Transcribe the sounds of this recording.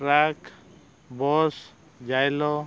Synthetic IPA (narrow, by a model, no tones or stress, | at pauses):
ɾakʰ | bɔs | d͡ʒajlɔ